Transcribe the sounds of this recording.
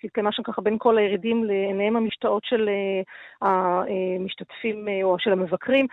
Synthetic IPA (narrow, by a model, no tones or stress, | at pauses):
kid̪̚kamaʃamkaχabe̞nko̞lajeʁidimleːnajemhamiʃtaʔo̞tʃelehaemiʃtatfimoaʃelamevakʁim